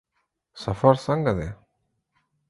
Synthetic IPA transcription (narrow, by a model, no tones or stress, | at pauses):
sɐfaɾsɐŋɡɐd̪e